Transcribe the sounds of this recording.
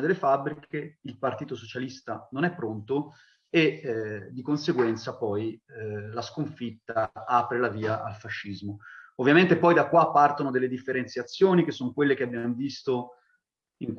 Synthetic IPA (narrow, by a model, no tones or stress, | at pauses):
d̪elːefabːɾikʰeilpart̪iːt̪osot͡ʃalist̪anonɛpːɾont̪o | ed̪ːikonseɡwɛnt̪sapɔjlaskoɱfit̪ːaaːpɾelaviːaʔalfaʃːizmoovːjament̪epɔjd̪akːwapːart̪onod̪elːed̪ifːeɾent̪sjat̪sːjoːnik̟esːonokwelːek̟eabːjamovist̪o | iŋk